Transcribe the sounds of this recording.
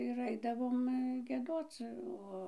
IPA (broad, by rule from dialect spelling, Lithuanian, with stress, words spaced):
ɪr ˈɐɪdɐʋoːm ɡʲiɛˈdoːt͡s ˈoː